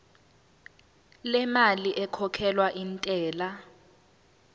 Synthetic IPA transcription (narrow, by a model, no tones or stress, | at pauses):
lɛmaliʔɛkʰɔkʰɛlwaʔintʼɛːla